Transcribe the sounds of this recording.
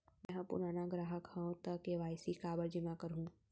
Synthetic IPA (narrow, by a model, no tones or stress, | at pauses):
mɛ̃ɦɐ̃pʊ̰ɾaːnaɡɾaːɦəkhəõt̪əkːeʋaːɪsikaːbəld͡ʒɪmakɐɾɦũː